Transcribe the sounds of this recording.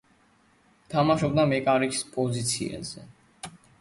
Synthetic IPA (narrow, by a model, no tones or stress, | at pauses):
t̪ʰamaʃɔb̚d̪amɛkʼaɾikʰspʼɔzit̪sʰiɛ̰zɛ̰